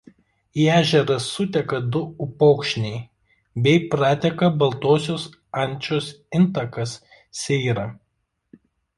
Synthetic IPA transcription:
iæːʒʲɛɾɐsːʊt̪ʲɛkɐd̪ʊʊpɔʊkʃʲnʲɛɪ | bʲɛɪpɾɑːt̪ʲɛkɐbɐlˠt̪oːsʲoːs | ɐnʲˑt͡ʃʲoːsɪnt̪ɐkɐsːʲ | ɛɪɾɐ

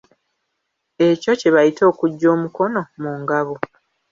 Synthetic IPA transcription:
e̞co̞ceβajitʰo̞ːkuɟːo̞ːmuko̞no̞muŋɡaβo

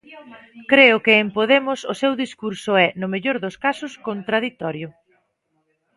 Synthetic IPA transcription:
kɾeʊkɪːmpoðemʊsʊsewðiskuɾsʊɛnʊmeʎoɾðʊskasʊskont̪ɾað̞it̪ɔɾjʊ

